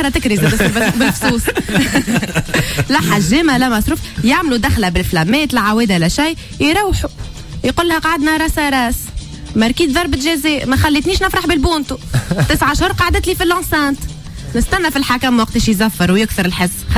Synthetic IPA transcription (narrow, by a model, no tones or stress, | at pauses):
ɾɑt̪ɪkɾizɛsbbɪlfsˤuːsˤ | læħaʒiːmælæmɑsˤɾuːfjaʕmlud̪æxlabɪlflæmːɛːt̪lɪʕawɛːd̪ʔɪlæʃæjː | jɾawħu | jqʊlːhæqɑʕad̪næɾˤɑsaɾˤɑːs | mæɾˤkiːd̪ðˤɑɾˤbɪt̪ʒæzɛːʔmæxælːiːt̪niːʃnɪfɾaħbɪlbuːnt̪ut̪ɪsʕaʃhʊɾqɑʕd̪ɪt̪lifilʔɑ̃nsæːnt̪ | nɪst̪ænːæfilħakæmːwɑq̚t̪iːʃjzæfːɑɾwjɪkθəɾɪlħɪzː